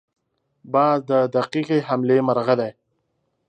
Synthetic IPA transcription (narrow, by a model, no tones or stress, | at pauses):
bɑːzd̪əd̪aqiqiɦamlemaɾɣad̪aj